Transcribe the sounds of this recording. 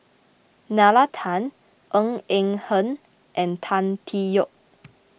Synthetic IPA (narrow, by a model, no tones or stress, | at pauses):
nalatʰãn | ʔə̃ŋɛ̃ŋhə̃n | ʔɛ̃ntʰãntʰijɔk̚